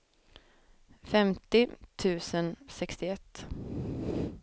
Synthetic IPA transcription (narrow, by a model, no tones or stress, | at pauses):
fɛmt̪ɪt̪ʰʉ̟ːsənsɛkst̪ɪɛt̪ː